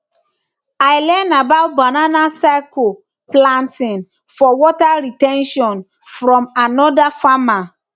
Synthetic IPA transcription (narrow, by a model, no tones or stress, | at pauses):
aɪlɛnabaʊt̚bananasako | plãntĩn | fɔwɔtaɾitɛ̃nʃɔ̃n | fɾɔ̃manɔdafama